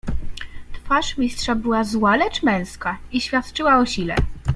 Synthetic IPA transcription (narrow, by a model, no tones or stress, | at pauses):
t̪faʂmʲistʂabɘwazwalɛt͡ʂmɛ̃w̃skaiɕfʲjat̪t͡ʂɘwaɔɕilɛ̰